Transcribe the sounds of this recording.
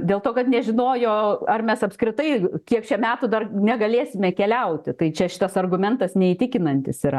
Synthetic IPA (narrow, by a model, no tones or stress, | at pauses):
d̪ʲeːlˠt̪oːkɐt̪nʲɛʒʲɪnoːjoːɐrmʲɛsɐpskɾʲɪt̪ɐɪkʲiɛkt͡ʃʲɛmʲæːt̪ʊd̪ɐrnʲɛɡɐlʲeːsʲɪmʲɛkʲɛlʲɛʊt̪ʲɪt̪ɐɪt͡ʃʲɛʃʲɪt̪ɐsɐrɡʊmʲɛnt̪ɐsnʲɛit̪ʲɪkʲɪnɐnʲt̪ʲɪsiɾɐ